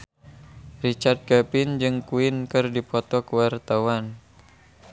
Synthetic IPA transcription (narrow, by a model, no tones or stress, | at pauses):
rit͡ʃart̪̚kapɪnd͡ʒɨŋkuɪnkɨrdipɔt̪ɔkəwart̪awan